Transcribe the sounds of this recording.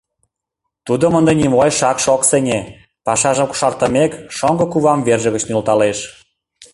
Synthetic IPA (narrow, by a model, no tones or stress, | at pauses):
t̪ud̪omənd̪enʲimojʃɑkʃoksenʲe | pɑʃɑʒə̆mku̥ʃɑrt̪ə̆mekʃoŋɡɤ̆kuβɑmverʒə̆ɣə̆t͡ɕnylt̪ɑleʃ